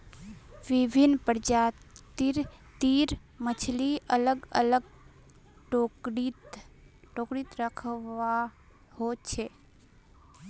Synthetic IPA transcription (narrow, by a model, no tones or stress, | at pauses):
ʋibʱinːpəɾd͡ʒat̪iɾt̪iɾ | mət͡ʃʰliʔələɡələɡ | ʈoit̪ | ʈokɾit̪ɾəkʰʋa | hot͡ʃʰe